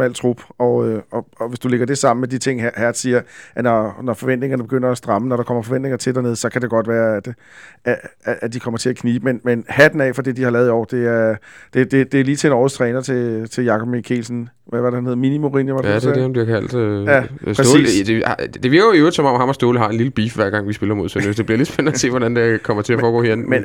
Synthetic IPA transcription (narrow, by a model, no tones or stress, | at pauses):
mæl̰t͡sʰʁub̥ɒ̽øɒ̽ɒ̽ʋe̝sd̥ule̝ɡ̥ɐd̥e̝sɑ̈m̰n̩med̥it͡sʰe̝ŋ̰hæɐd̥siːɐænɒnɒfɒ̽ʋen̰d̥ne̝ŋɐnəb̥e̝ɡ̥øn̰ɐæsd̥ʁɑ̈mənɒɾ̥ɑ̈kʰɒ̽m̰ɐfɒ̽ʋen̰d̥ne̝ŋɐt͡sʰedæɐne̝ð̞ˠsɒ̽kʰæd̥e̝ɡ̥ɒ̽d̥ʋæːɐæd̥ | æːd̥ikʰɒ̽m̰ɐt͡sʰe̝ækʰniːb̥əmenmenhæd̥n̩ɛ̰ːfɒ̽d̥e̝d̥ihɑ̈lɛːð̞ˠiɒ̰ːd̥e̝æɐd̥e̝d̥e̝d̥e̝æɐliːt͡sʰe̝enɒ̰ːst͡sʰʁɛːnɐt͡sʰe̝t͡sʰe̝jɑ̈kʰɒ̽b̥̚mikʰḛlsn̩ | ʋæʋɑ̈d̥eænhe̝ðˠminimoʁinjəʋɑd̥edehɑnb̥liɐ̰kʰæl̰d̥jæsʰsḭːd̥ed̥e̝ʋiɐɡ̥oiøːd̥̩sɒ̽mɒ̽mhɑ̈mɒsd̥o̝ːləɦɑ̈e̝nliləb̥iːfʋæɐ̰ɡ̥ɑ̈ŋʋisb̥e̝lɐmo̝ð̞̰ˠsønøsd̥e̝b̥liɐled̥sb̥enːəse̝̰ːʋɒɾænd̥ekʰɒ̽mɐt͡sʰe̝æɐfɒːɡ̥ɔ̰ːhinæn̩men